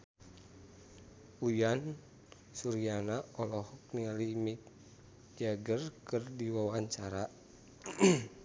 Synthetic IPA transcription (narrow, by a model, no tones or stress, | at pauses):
ujan | suɾianaɔlɔhɔk̚nialimik̚ | d͡ʒaɡərkɨrdiwawaɲt͡ʃaɾa